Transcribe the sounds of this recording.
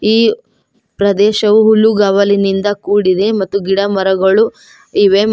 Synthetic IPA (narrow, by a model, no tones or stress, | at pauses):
iː | pɾɐd̪ɛːʃɐʋuɦuluɡaːʋɐlinind̪ɐkuːɽid̪e̞mɐt̪ːuɡiɽɐmɐɾɐɡɐɭu | iːʋeː